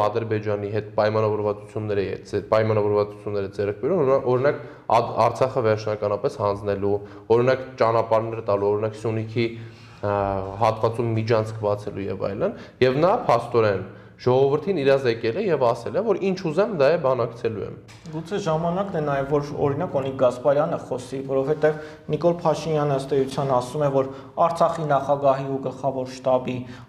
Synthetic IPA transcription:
ɑd̪əɾbɛd͡ʒɑniɦɛt̪pɑjmɑnɑvɔɾvɑt͡sut͡sʰjunːɛɾɛɛ̰d͡zɛpɑjmɑnɑvɔɾvɑt͡su̥t͡sʰjunːɛɾəd͡zɛɾk̚ʰbɛɾumɔɾinɑk | ɑ̰ɾt͡sʰɑχəvɛɾt͡ʃʰnɑkɑnɑpɛshɑnd͡znɛlu | ɔɾinɑkt͡ʃɑnɑpɑɾnɛɾət̪ɑluɔɾinɑksjunikʰi | ɦɑt̪vɑt͡sumːid͡ʒʰɑnt͡sʰkʰbɑt͡sʰɛlujɛ̰vɑ̰jlənjɛvnɑpʰɑst̪ɔɾɛn | ʒ̥ɔʁɔvəɾt̪ʰiniɾɑzɛkɛlɛjɛvɑsɛlɛvɔɾint͡ʃʰuzɛmd̪ɑjɛbɑnɑkt͡sʰɛlujɛ̰m | ɡut͡sʰɛʒɑmɑnɑknɛnɑjɛvvɔɾɔ̰ɾinɑkɔniɡɑspɑɾjɑnəχɔsivɔɾɔvhɛt̪ɛv | nikɔlpʰɑʃinjɑnəəst̪ɛjut͡sʰjɑnɑsumɛvɔɾ | ɑɾt͡sʰɑχinɑχɑɡɑɦiuɡəlχɑvɔɾʃt̪ɑbi

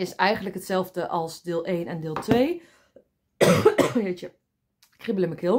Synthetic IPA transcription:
ɪsɛjɣəndləkətsɛlˠvdəʔɔlˠsdɪːlˠʔeːnɛndɪːlˠtʰʋeː | jetjə | kribələməkʰɪlˠ

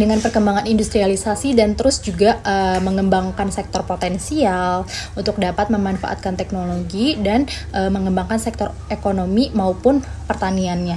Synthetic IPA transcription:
dəŋanpərkəmbaŋanindust̪ɾialisasidant̪əɾʊsd͡ʒuɡaəməŋəmbaŋkansɛk̚t̪ɔrpot̪ɛnsialunt̪ʊk̚dapat̪̚məmanfa̰ʔa̰t̪̚kant̪ɛknoloɡidanʔəməŋəmbaŋkansɛk̚t̪ɔr | ekonomimaupʊnpərt̪anianɲa

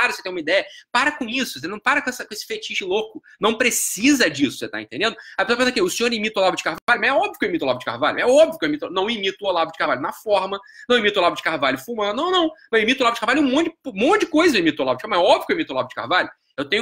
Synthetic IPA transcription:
aɾset̪ẽũmid̪ɛjɐpaɾɐkõisʊ̥senɐ̃w̃paɾɐkõɛsɐkõesɪ̥fet͡ʃiʃɪlokʊnɐ̃w̃pɾesizɐd͡ʒisʊ̥set̪a̰ẽnt̪ẽnd̪ẽd̪ʊɐpesoaɐpẽsɐkẽʊsĩɲoɾimit̪ʊlabʊd͡ʒɪ̥kavavalumɐzɛɔbviʊkewimit̪ʊla̰vʊd͡ʒɪka̰hva̰ʎʊ̰ɛɔbviʊkewimit̪nɐ̃w̃imit̪ʊolabʊd͡ʒɪ̥kaɾvalʊnɐfɔɾmɐnɐ̃w̃imit̪ʊlavʊd͡ʒɪ̥kahvaʎʊfumɐ̃d̪ʊnɐ̃w̃nɐ̃w̃mɐewimit̪ʊlavʊd͡ʒɪkavalʊɛũmõt͡ʃd͡ʒɪ̃mõt͡ʃd͡ʒɪkojzɐewimit̪olavʊd͡ʒkamɐ̃zɛɔbvikewimit̪ʊlavʊd͡ʒɪka̰hvaʎʊ | ewt̪ẽɲ

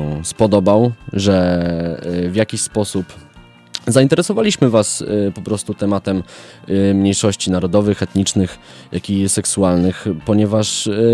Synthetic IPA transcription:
spɔd̪ɔbawʐɛ | vʲjakʲiɕspɔsup | zaint̪ɛɾɛsɔvalʲiɕmɘvaspɔpɾɔst̪ut̪ɛmat̪ɛmː | ɲejʂɔɕt͡ɕinaɾɔd̪ɔvɘxɛt̪ɲit͡ʂnɘx | jʔakʲisɛksualnɘxpɔɲɛvaʂ

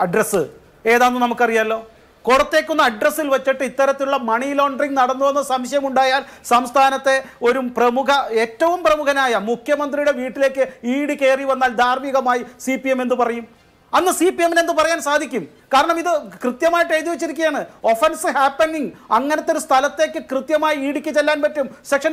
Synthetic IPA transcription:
ɐɖrɐsɨ | e̞ːðaːnːɨnɐmukːɐrijaːlːo̞ː | korɐt̪ːe̞ːkːunːɐːɖrɐsilʋɐt͡ɕːiʈːɨit̪ːɐɾɐt̪ːinuɭːɐmɐɳilo̞ːɳɖriŋɡnɐɽɐnːuʋe̞nːɐsɐmɕɐjɐmuɳɖaːjaːlsɐmst̪ʰaːnɐt̪ːe̞o̞ɾuprɐmukɐe̞ːtːɐʋumprɐmukɐnaːjɐmukʰjɐmɐnd̪rijuɽe̞ʋiːʈːile̞ːkːɨiːɽike̞ːriʋɐnːaːld̪ʱaːrmiɣɐmaːjisiːpijeme̞nd̪upɐrɐjum | ɐnːɨsipːiemine̞nd̪ɨpɐrɐjaːnsaːd̪ʱikʲːum | kaːɾɐɳɐmiðɨkrɨt̪jɐmaːjiʈːeːt̪iʋɐt͡ɕːiɾikʲːɐjaːɳɨo̞fensɨhaːpːeɳːiŋɡɐŋːɐnɐt̪ːo̞ɾust̪ʰɐlɐt̪ːe̞ːkːɨkrɨt̪jɐmaːjiiːɽikʲːɨt͡ɕːelːaːnpɐtːumsekʂɐn

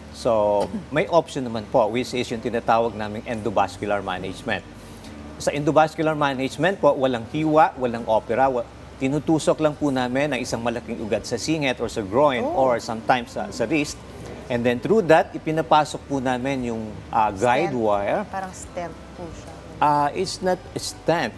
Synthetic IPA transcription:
somɐjʔopʃɔnːɐmanpoʔwɪt͡ʃɪsjʊŋt̪ɪnat̪aːwɐɡ̚naːmɪŋʔɛnd̪obaskjʊlɐɹma̰nɛd͡ʒmɛ̃nt̪̚ | sɐʔɪnd̪obaskjʊlɐɹmanɪd͡ʒmɛ̃nt̪̚poʔwɐlaŋhiːwɐʔwɐlaŋʔoːpɛɾɐw | t̪ɪnut̪uːsoklɐŋpʊnaːmɪnːɐŋʔɪsaŋmɐlɐkiŋʔʊɡad̪̚sɐsiːŋɛt̪oɹsɐɡɹojnoɹsɐmt̪ajmsɐ̰sɐɾist̪̚ | ʔɛnd̪ɛnt̪ɾud̪ɐt̪̚ʔɪpɪnɐpaːsok̚pʊnaːmɪnjʊŋʔɐɡajd̪waɛɹpaɾɐŋst̪ɛmppu | ʔaʔɪt̪snɐt̪ɛst̪ɛnt̪̚

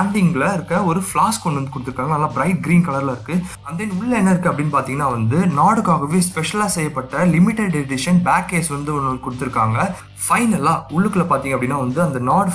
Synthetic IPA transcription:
aːɳɖ̪ɪŋɡɐɭɐɪɾɯkːɐɔɾɯfɭaːskɔɳɖɯʋɐnd̪ɯkʊɽɯt̪ːɯɾɯkːaːŋɡɐnɐlːãːbɾɐɪʈ̚ɡɾiːnkɐɭɐɾlɐɪɾɯkːɯ | ɐnd̪eːnʊɭːɐɛnːɐɪɾɯkːɯɐpːɐɽɪnːɯpaːɾt̪iːŋɡɐnːaːʋɐnd̪ɯnaːɽɯkːaːɣɐʋeːspɛʂɐlaːsɛjːɐpːɐʈːɐlɪmɪʈːɛɖɖɛɖɪʂɐnbaːkːeːsʋɐnd̪ɯnːkʊɽɯt̪ːɯɾɯkːaːŋɡɐ | fɐɪnɐlaːʊɭːɯkːɐlɐpaːɾt̪iːŋɡɐpɐɽɪnːaːʋɐnd̪ɯɐnd̪ɐnaːɽ

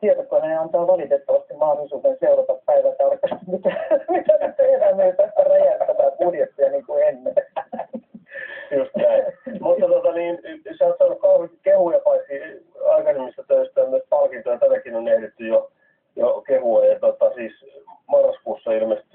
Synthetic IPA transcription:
t̪ietokːoneɑnt̪ɑːʋɑlit̪et̪ːɑʋɑst̪immɑhdolisuːt̪enseurɑt̪ɑppæiʋæt̪ːæɑrkːɑst̪imit̪æmit̪æst̪ːeenæmːet̪æst̪ːærejæst̪ːæt̪æːkurjet̪ːujɑniːŋkuenːe | just̪næimut̪ːɑt̪ot̪ɑniːnseɑˑt̪sɑnːukkɑuhekkehujɑpɑisiɑikɑsemːist̪æt̪øist̪æmyøspɑlkint̪ojɑt̪ænækinonniæt̪et̪ːyjo | jokehuoɑt̪ot̪ɑsiːs | mɑrːɑskuːsːɑilmest̪y

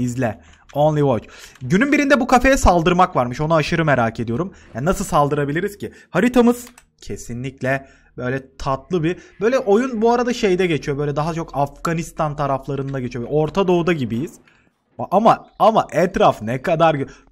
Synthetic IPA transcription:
izlʲɛ | onlʲˠivot͡ʃɟynynbiɾind̪ɛbukʰafejɛsalˠd̪ɯɾmakvaɾmɯʃo̞naːʃɯɾɯmeɾaːcʰe̞d̪ijo̞ɾumjaːnnasɯlˠsalˠd̪ɯɾabilʲiɾiz̥cʰi | haɾit̪ʰamɯz̥ | cʰesinlʲiclʲɛ | bø̞jlʲɛt̪ʰat̪̚lˠɯbib̥ø̞jlʲɛʔo̞junbuaɾad̪aʃe̞jd̪ɛɟe̞t͡ʃʰijobø̞jlʲɛd̪aɦat͡ʃʰo̞kʰafɡ̥anist̪ʰant̪ʰaɾaflˠaɾɯnd̪aɟe̞t͡ʃʰijovɛʔo̞ɾt̪ʰad̪o̞ud̪aɟibijiz̥ | aʔamaamaʔɛt̪ɾafnɛkad̪aɾɟ

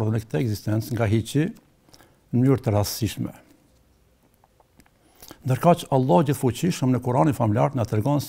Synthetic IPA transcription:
ɾðɛnɛkt̪ɛɛɡzist̪ɛnt͡sŋɡaɦit͡ɕi | nəmyɾt̪ərasiʃmɛ̰ | nd̪əɾkat͡ʃalˠːɑhd͡ʑiθfut͡ɕiʃəmnəkuɾaninfamilʲjaɾnat̪əɾɡɔns

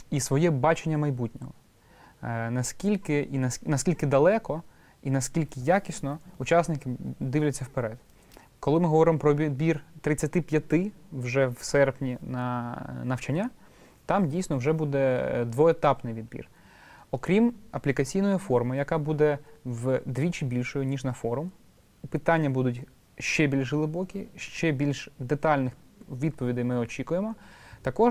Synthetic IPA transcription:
isʋɔjɛbɑt͡ʃenʲːɐmɐjbutʲnʲɔɦɔ | nɐskʲilʲkɪʔinɐnɐsʲkʲilʲkɪd̪ɐlˠɛkɔ | inɐskʲilʲkɪjakʲisʲnɔut͡ʃɑsnɪkɪd̪ɪʋlʲɛt͡sʲːɐwpeɾɛd̪ | kɔlˠɪmɪɦɔʋɔɾɪmɔpɾɔid̪̚bʲirt̪ɾɪt͡sʲːɐt̪ɪpʲjɐt̪ɪwʒɛwsɛrpnʲinɐnɐwt͡ʃɐnʲːa | t̪ɑmdʲijsʲnɔwʒɛbud̪ɛd̪ʋɔet̪ɑpnɪjʋʲid̪bʲḭr | ɔkɾʲimɐplʲikɐt͡sʲijnɔjʊfɔrmɪjɐkɑbud̪ɛwd̪ʋʲit͡ʃɪbʲilʲʃɔjʊnʲiʒnɐfɔɾʊm | pɪt̪ɑnʲːɐbud̪ʊtʲ | ʃt͡ʃɛbʲilʲʃlˠɪbɔkʲiʃt͡ʃɛbʲilʲʃd̪et̪ɑlʲnɪx | ʋʲid̪̚pɔʋʲid̪ɪjmɪɔt͡ʃʲikʊjemɔt̪ɐkɔ

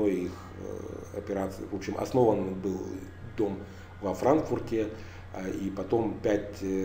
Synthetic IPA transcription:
ojix | ɐ̰pʲɪɾat̪sɨjvo̞pɕɪmʔɐ̰sno̞vənbɨlˠ | d̪o̞m | vɐfɾankfʊrtʲɪ | ipɐt̪o̞mpʲætʲ

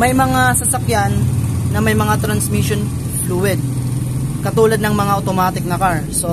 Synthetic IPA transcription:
mɐjmɐŋasɐsɐkjanːɐmɐjmɐŋat̪ɾɐnsmiʃon | fluwɛd̪̚ | kɐt̪uːlɐd̪nɐŋmɐŋaʔɐwt̪omaːt̪ɪk̚nɐkaɹso

